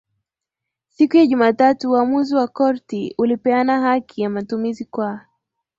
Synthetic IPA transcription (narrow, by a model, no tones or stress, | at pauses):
sikujaʄumaːtatuuamuziwakɔɾtiulipɛanaɦakʰijamatumizikwa